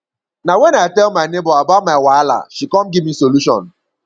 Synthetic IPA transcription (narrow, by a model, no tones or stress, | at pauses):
nawenatɛlmanɪbʊabamawaala̰ʃikɔm̩ɡɪmisoluʃɔ̰n̩